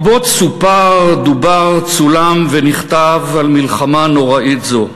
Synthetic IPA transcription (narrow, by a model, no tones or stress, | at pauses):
botsupaʁd̪ubaʁt͡sulamveniχt̪avalmilχamano̞ʁaʔitzo̞